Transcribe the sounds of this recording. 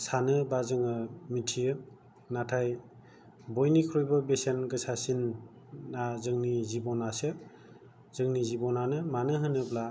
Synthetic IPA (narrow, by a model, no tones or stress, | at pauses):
sanɯbazɯŋɯmitʰijɯ | natʰaj | bɔjnikʰɾɔjbɯbesenɡɯsasinː | azɯŋnizibɔnasɯ | z̥ɯŋnizibɔnanɯmanɯɦɯnɯbla